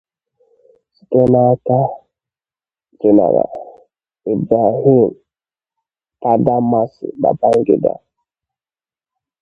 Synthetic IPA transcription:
si̥˨te˦na˦ta˦ | d͡ʒe˨na̰˨ɾa̰˨ | i˨bɾa˨ɦi˦m | ta˦da˦ma˦sḭ˨ba̰˨ba˦ŋ˦ɡḭ˦da̰˦

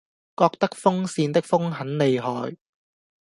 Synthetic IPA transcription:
kɔː˧k̚t̪ɐ˥k̚fʊ˥ŋsiː˧nt̪ɪ˥k̚fʊ˥ŋɦɐ˨˥nle˨˧jɦɔː˨j

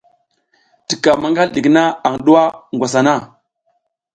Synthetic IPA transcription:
ti˨ka˨ma˦ŋɡa˦lɗi˨kna˦a˨ŋɗu˦wa˦ŋɡʷa˨s̬a˨na˦˨

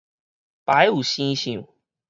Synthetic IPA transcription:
pa˨˦ɪju˨˩ɕĩ˦ɕĩ˥˨˩

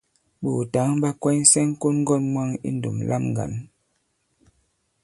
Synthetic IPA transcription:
ɓu˨ta˨˦ŋba˦kwɛ˦ɲ˦sɛ˦ŋ˦ko˦nŋ˦ɡɔ˦nmwa˦ŋḭ˦n̩˦do̰˨mlʔa̰˦mŋ˨ɡa̰˨n

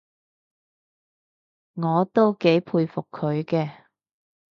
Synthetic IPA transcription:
ŋɔː˨˧t̪o˥wke˨˥jpʰuː˧jfʊ˨kʰːɵ˨˧ɥkɛː˧

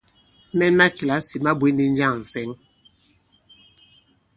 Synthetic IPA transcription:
mɛ˦nma˦ki˨la˨˦si˨ma˦be˦ni˨˦n̩˦d͡ʒa˦˨ŋn̩˨sɛ˦ŋ

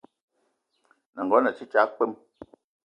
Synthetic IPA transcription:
na˨ŋ˨ɡɔ˨˦na˨t͡ʃi˦t͡ʃa˨˦k͡pe˦m

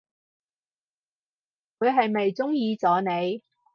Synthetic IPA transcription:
ŋuː˨˧ɥɦɐ˨jme˨jt͡sʊ˥ŋjiː˨˧t͡sɔː˨˧ne˨˧j

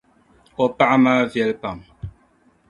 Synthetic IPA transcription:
ɔ˨pa˦ʔma˦vjɛ˦˨lpa˨m

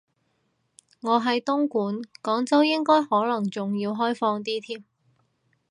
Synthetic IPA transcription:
ŋɔː˨˧ɦɐ˨jt̪ʊ˥ŋkuː˨˥nkɔː˨˥ŋt͡sɐ˥wjɪ˥ŋkɔː˥jhɔː˨˥lɐ˨˩ŋt͡sʊ˨ŋjiː˧wɦɔː˥jfɔː˧ŋt̪̬iː˥t̪ʰiː˥m

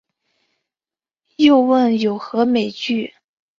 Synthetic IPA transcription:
jo˥˧ʊwə˥˩njo˨˩ʊxɤ˧˥me˨˩ɪt͡ɕy˥˩

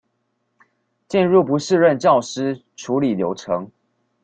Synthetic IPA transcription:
t͡ɕɛ˥˧nɻu˥˩pu˨˦ʂɻ̩˥˧ɻə˥˧nt͡ɕjɑ˥˨˩ʊʂɻ̩˥ʈ͡ʂʰu˨˧˥li˨˩ljo˧˥ʊʈ͡ʂʰɤ˧˦ŋ

